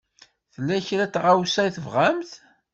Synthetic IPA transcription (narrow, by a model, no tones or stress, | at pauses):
θəlːæçɾæt͡sːʁawsæjθəvʁæmθ